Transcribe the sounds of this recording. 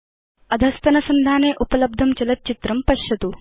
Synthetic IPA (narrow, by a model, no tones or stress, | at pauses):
ɐd̪ʱɐst̪ɐnɐsɐnd̪ʱaːneːʔupɐlɐb̚d̪ʱɐmt͡ʃɐlɐt̪̚ːt͡ʃit̪ɾɐmpɐʃjɐt̪u